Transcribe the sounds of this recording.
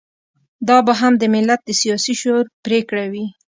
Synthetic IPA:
d̪ɑbaɦamd̪əmɪlːat̪̚d̪əsijɑsiʃoɾpɾekɽawi

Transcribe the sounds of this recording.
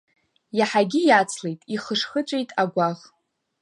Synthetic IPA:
jaħaɡʲijat͡sʰlejtʼiχəʂχət͡ʃʷʼejtʼaɡʷaʁ

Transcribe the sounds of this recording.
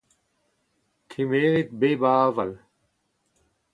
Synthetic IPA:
t̪ʰimeːɾit̪̚beːbaːvɐl

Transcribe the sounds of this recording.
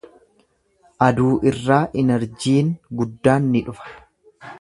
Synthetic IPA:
ʔɐd̪uːʔɪrːaːʔɪnɛɾd͡ʒiːŋɡʊd̪ːaːnːɪᶑʊfɐ̥

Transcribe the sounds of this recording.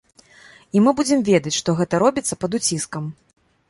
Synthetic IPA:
imɨbud͡zʲɛmvʲɛd̪ɐt͡sʲʂt̪ɔɣɛt̪ɐɾɔbʲit̪sːɐpɐd̪ut͡sʲiskɐm

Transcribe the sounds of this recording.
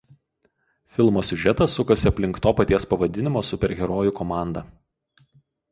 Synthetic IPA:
fʲɪlˠmoːsʲʊʒʲɛt̪ɐsːʊkɐsʲɪɐpʲlʲɪŋkt̪oːpɐt̪ʲiɛspɐʋɐd̪ʲɪnʲɪmoːsʊpʲɛɾʲɣʲɛɾoːjʊkɔmɑˑnd̪ɐ

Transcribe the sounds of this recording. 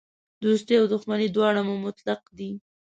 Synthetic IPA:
d̪ust̪eawd̪ʊxmanid̪wɑɽamomʊt̪laq̚d̪i

